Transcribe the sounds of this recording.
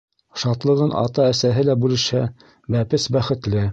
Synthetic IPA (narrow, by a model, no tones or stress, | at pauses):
ʃɑt̪lˠɤ̆ʁɤnʔɑ̰t̪ɑæsæɦɘlæbʉlɘ̆ʃhæ | bæpɘsbæχɘ̆t̪lɘ